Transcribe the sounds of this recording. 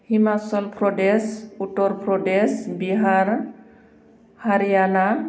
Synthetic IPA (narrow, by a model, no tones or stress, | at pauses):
himasɔlpʰɾɔɖesuʈɔɾpʰɾɔɖesbiɦaɾ | haɾijana